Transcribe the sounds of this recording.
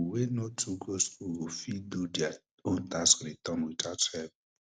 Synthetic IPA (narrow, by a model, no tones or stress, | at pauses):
wenotuɡoskuɾofidudja | on̩taskɾitɔnwitatɛb